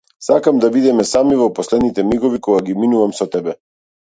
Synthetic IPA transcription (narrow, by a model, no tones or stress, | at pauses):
sakamd̪abid̪ɛmɛsamivɔpɔslɛd̪nit̪ɛmiɡɔvikɔɡaɡiminuvamsɔt̪ɛbɛ